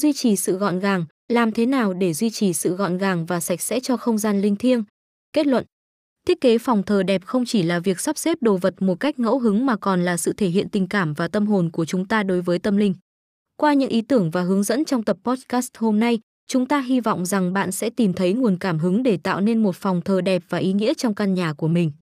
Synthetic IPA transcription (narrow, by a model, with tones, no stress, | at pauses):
zwi˧t͡ɕi˨˩sɨ̰˧˨ɣɔ̰˧˨nɣaː˨˩ŋ | laː˨˩mt̪ʰe˨˦naː˨˩wɗe˧˩zwi˧t͡ɕi˨˩sɨ̰˧˨ɣɔ̰˧˨nɣaː˨˩ŋvaː˨˩sa˨˩jk̟̚sɛ̰˧˥t͡ɕɔ˧xə˧wŋ͡mzaː˧nlï˧ŋ̟t̪ʰi˧əŋ | ke˦˥t̚lwə̰˧˨n | t̪ʰi˦˥ət̚ke˨˦fɔ˨˩wŋ͡mt̪ʰəː˨˩ɗɛ˨˩p̚xə˧wŋ͡mt͡ɕi˧˩laː˨˩vi˨˩ək̚sa˦˥p̚se˦˥p̚ɗo˨˩və˨˩t̚mo˨˩t̚ka˦˥jk̟̚ŋə̰˧˥wɦɨ˨˦ŋmaː˨˩kɔ˨˩nlaː˨˩sɨ̰˧˨t̪ʰe˧˩ɦḭ˧˨ənt̪ï˨˩ŋ̟kaː˧˩mvaː˨˩t̪ə˧mɦo˨˩nku˧˩ət͡ɕʊ˨˦ŋ͡mt̪aː˧ɗo˨˦jvəː˨˦jt̪ə˧mlï˧ŋ̟ | kwaː˧ɲɨ̰˧˥ŋʔi˨˦t̪ɨ˧˩əŋvaː˨˩ɦɨ˨˦əŋzə̰˧˥nt͡ɕɔ˧wŋ͡mt̪ə˨˩p̚ːɔ˦˥t̚kaː˦˥st̚ho˧mna˧j | t͡ɕʊ˨˦ŋ͡mt̪aː˧ɦi˧vɔ̰˧˨wŋ͡mza˨˩ŋɓa̰ː˧˨nsɛ̰˧˥t̪i˨˩mt̪ʰə˨˦jŋu˨˩ənkaː˧˩mɦɨ˨˦ŋɗe˧˩t̪a̰ː˧˨wne˧nmo˨˩t̚fɔ˨˩wŋ͡mt̪ʰəː˨˩ɗɛ˨˩p̚v̥aː˨˩ʔi˨˦ŋḭ˧˥ət͡ɕɔ˧wŋ͡mka˧nɲaː˨˩ku˧˩əmï˨˩ŋ̟